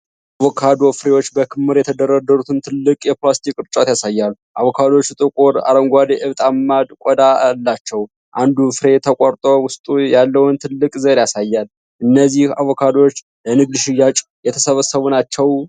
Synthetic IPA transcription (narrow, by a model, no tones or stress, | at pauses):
ʔaβokʰad̪o̞fɨɾewo̞t͡ʃːbəkʰɨmːɨɾjɛt̪ʰəd̪ərːad̪ːəɾut̪ʰɨnt̪ʰɨlːɨkʼjɛplast̪ʰikʼɨɾt͡ʃʼat̪jasajːalː | ʔaβokʰad̪o̞t͡ʃːt̪ʼɨkʼuɾa̰ɾəŋɡʷad̪eʔɨβt̪ʼamːad̪kʷʼɔd̪alːat͡ʃːɛw | ʔand̪ufɨɾe̞t̪ʰəkʷʼaɾt̪ʼowʊst̪ʼujalːəwnt̪ʰɨlːɨkʼzəɾjasajːal | ʔɨnːəzːiha̰βokʰad̪o̞t͡ʃː | lənɨɡ̚d̪ʃɪjːat͡ʃʼ | jɛt̪ʰə̥səβəsəβunat͡ʃːɛw